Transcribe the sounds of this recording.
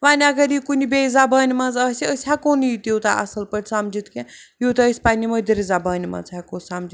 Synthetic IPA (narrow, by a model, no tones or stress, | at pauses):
ʋaːnʲɐɡɐɾikunʲibeːzabaːnʲimɐ̃nzaːsʲiəsʲɦakoːnit̪ut̪aʔɐ̰sɐlpəʈʲsamd͡ʒit̪kʲejuːt̪ɐəsʲpanʲiməd̪iɾʲizabaːnʲimɐ̰̃nzɦakoːsamd͡ʒi